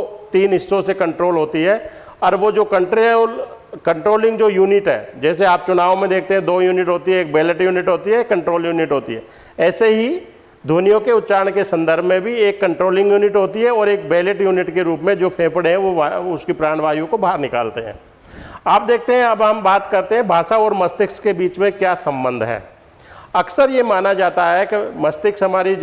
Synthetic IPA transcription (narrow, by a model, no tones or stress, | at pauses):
t̪iːnɦɪsːõsekɐ̃ɳʈɾoːlɦoːt̪iɦɛː | ɔːɾʋod͡ʒoːkɐ̃ɳʈl | kə̃ɳʈɾoːlɪ̃ŋɡd͡ʒoːjuːnɪʈɦɛ̰ːd͡ʒɛːs̬eaːp̚t͡ʃʊnaːʋmẽd̪eːk̚ʰt̪eɦɛ̃d̪oːjuːnɪʈɦoːt̪iɦɛeːk̚beːləʈjuːnɪʈɦoːt̪iɦɛkːɐ̃ɳʈɾoːljuːnɪʈɦoːt̪iɦɛ̰ː | ɛːseɦi | d̪ʱoːnijõkeʊt̪t͡ʃaːɳ̃kesɐ̃nd̪əɾbʱmẽbʱieːkːɐ̃ɳʈɾoːlɪ̃ŋɡjuːnɪʈɦoːt̪iɦɛɔːɾeːk̚beːləʈjuːnɪʈkeɾuːpmẽd͡ʒoːpʰẽːpəɽeɦɛ̃ʋoʊskipɾaːɽ̃ʋaːjõkobaːɦəɾnɪka̰ːlt̪eɦɛ̰̃ː | aːp̚d̪eːk̚ʰt̪eɦɛ̃ɐbɦɐmbaːt̪kɐɾt̪eɦɛ̃bʱaːʃaɔːɾmɐst̪ɪkskebiːt͡ʃmẽkjaːsɐ̃mbə̃nd̪ʱɦɛ̰ː | ɐksəɾjemaːnad͡ʒaːt̪aɦɛkemɐst̪ɪksɦɐmaːɾi